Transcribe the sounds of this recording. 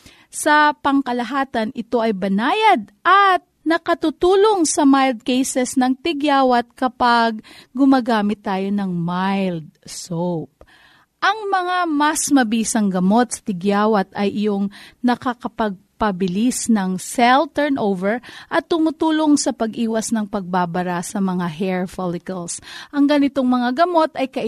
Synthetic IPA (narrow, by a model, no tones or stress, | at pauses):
sɐpɐŋkɐlɐɦaːt̪ɐnɪt̪o̞ʔɐjbɐnaːjɐd̪̚ʔɐt̪̚nɐkɐt̪ut̪uːlo̞ŋsɐmajld̪̚kejsɛsnɐŋt̪ɪɡjaːwɐt̪̚kɐpaɡːʊmɐɡaːmɪt̪ːaːjo̞nɐŋmajld̪̚sowp̚ | ʔɐŋmɐŋamɐsmɐbiːsɐŋɡɐmo̞t̪̚sɐ̥t̪ɪɡjaːwɐt̪ɐjʔɪjoŋnɐkɐkɐpɐɡ̚pɐbɪlisnɐŋsɛlt̪ɛɹnʔowvɛɹʔɐt̪ːʊmut̪uːloŋsɐpɐɡʔiːwɐsnɐŋpɐɡ̚babɐɾasɐmɐŋaɦɛɹfolɪkɐlsʔɐŋɡɐnɪt̪oŋmɐŋaɡɐmo̞t̪ɐjkɐʔ